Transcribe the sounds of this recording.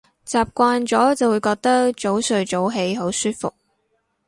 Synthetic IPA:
t͡saː˨p̚kʷaː˧nt͡sɔː˨˥t͡sɐ˨wu˨˧jkɔː˧k̚t̪ɐ˥k̚t͡ʃo˨˥wsɵ˧ɥt͡so˨˥wɦe˨˥jɦo˨˥wsyː˥t̚fʊ̰˨k̚

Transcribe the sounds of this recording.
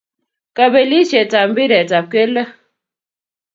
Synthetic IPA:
ka˨be˨li˦ʃe˨ta˨m̩˦bi˦ɾɛ˨ta˨p̚ke˦lə˦

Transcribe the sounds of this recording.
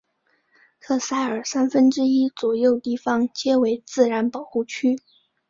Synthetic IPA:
t̪ʰɤ˥˧sa˥˩ɪə˞˨˩sa˥nfə˥nʈ͡ʂɻ̩˥i˥t͡swɔ˨˩jo˥˧ʊt̪i˥˩fɑ˧˥ŋt͡ɕjɛ˥we˧˥ɪt͡sɹ̩˥˩ɻa˧˥npɑ˨˩ʊxu˥˩t͡ɕʰy˥

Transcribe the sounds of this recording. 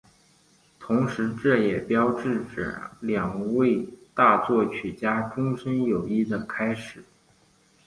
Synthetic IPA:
t̪ʰʊ˧˥ŋʂɻ̩˧˥ʈ͡ʂɤ˥˩jɛ˨˩pjɑ˥ʊʈ͡ʂɻ̩˥˩ʈ͡ʂ̩˨˩ljɑ˨˩ŋwe˥˧ɪt̪a˥˧t͡swɔ˥˩t͡ɕʰy˨˩t͡ɕja˥ʈ͡ʂʊ˥ŋʂə˥njo˨˩ʊi˥˩d̪ə˨kʰa˥ɪʂɻ̩˨˩˦

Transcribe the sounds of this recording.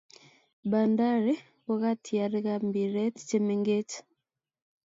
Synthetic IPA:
ba˨nda˦ɾi˦ | wo˦ɣa˦tʰi˨a˨ɾe˦ɣambi˨ɾe˦ti̥˨t͡ʃe˦me˨ŋɡe˦cḁ

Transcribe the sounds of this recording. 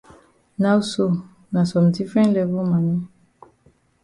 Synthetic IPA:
na˦wso˨ | na˨sɔ̃˨mdi˦fɹɛ̃˦ntlɛ˦vɔ˦ma˨nɔ̃˦

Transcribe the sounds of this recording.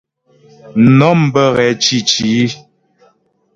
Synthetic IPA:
nɔ˨˦m̩˨bə˦˨ɣɛ˨˦t͡ʃi˨t͡ʃi˨˦

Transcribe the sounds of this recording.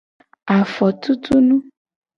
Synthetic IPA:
a˨fɔ˨t̪u˦t̪u˦nũ˦

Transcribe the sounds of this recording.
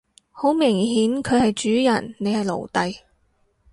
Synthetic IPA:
ho˨˥wmɪ˨˩ŋɦiː˨˥nkʰɵ˨˧ɥhɐ˨jt͡ʃyː˨˥jɐ˨˩nːe˨˧jhɐ˨jlo̰˨˩wt̪ɐ˨j

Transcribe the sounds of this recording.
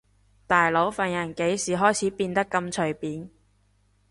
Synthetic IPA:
t̪aː˨jlo˨˥wfɐ˨njɐ˨˩nke˨˥jsiː˨ɦɔː˥jt͡sʰiː˨˥piː˧nt̪ɐ˥kːɐ˧mt͡ʃʰɵ˨˩ɥpiː˨˥n

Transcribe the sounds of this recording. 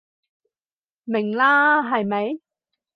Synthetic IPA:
mɪ˨˩ŋlaː˥ɦɐ˨jmɐ˨˥j

